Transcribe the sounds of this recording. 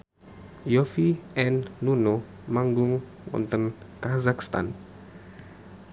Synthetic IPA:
jofiʔɛnːuno | maŋɡʊŋ | ŋɔ̰nt̪ənkazakst̪a̰n

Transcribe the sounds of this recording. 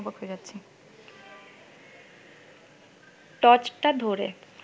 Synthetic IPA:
bakɦojed͡ʑatːɕʰi | ʈɔt͡ɕʈad̪ʱoɾḛ

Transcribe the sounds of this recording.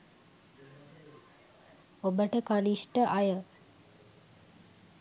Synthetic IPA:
obəʈəkaliʃʈəʔajə

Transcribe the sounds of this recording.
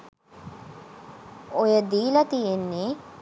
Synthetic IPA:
ojəd̪iːlɐt̪ijenːe

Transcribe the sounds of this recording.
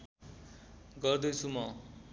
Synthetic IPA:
ɡʌrd̪ʌjt͡sʰumʌ

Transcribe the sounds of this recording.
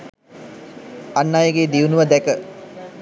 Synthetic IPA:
anːajəɡed̪iʋunuʋəd̪ækə

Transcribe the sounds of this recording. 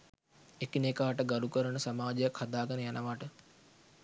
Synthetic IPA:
ekinekaːʈəɡaɾukəɾənəsamaːd͡ʒejakhad̪aːɡənəjanʔəʋaːʈə

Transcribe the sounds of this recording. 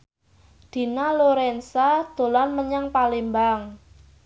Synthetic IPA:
d̪̥i̤naloɾɛnsad̪̥o̤lanməɲaŋpalembaŋ

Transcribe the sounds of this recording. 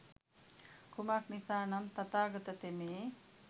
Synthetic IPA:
kʰumaknisaːnɐnt̪ɐt̪aːɡɐt̪ɐt̪eme

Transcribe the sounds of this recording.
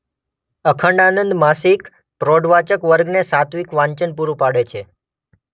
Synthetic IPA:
əkʰəɳɖanənd̪masik | pɾoɖʋat͡ʃəkʋəɾɡnesat̪ʋikʋãɲt͡ʃənpuɾupaɽet͡ʃʰe

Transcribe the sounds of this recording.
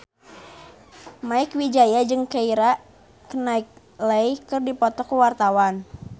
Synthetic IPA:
maɪkwid͡ʒajad͡ʒɨŋkaiɾa | kənaɪk̚ | ləikɨrdipɔt̪ɔkuwart̪awan

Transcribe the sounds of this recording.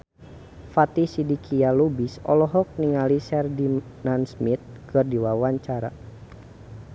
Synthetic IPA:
fat̪isidikʰialubisɔ̰lɔɦɔk̚niŋalisɛrdinansmit̪̚kɨrdiwawaɲt͡ʃaɾa̰

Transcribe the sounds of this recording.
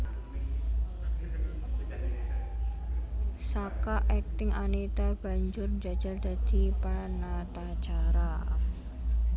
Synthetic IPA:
sakaʔɛk̚t̪ɪŋanit̪ab̥a̤ɲd͡ʒʊrd͡ʒḁd͡ʒ̥a̤rd͡ʒ̥a̤d̪̥i̤panat̪at͡ʃaɾa

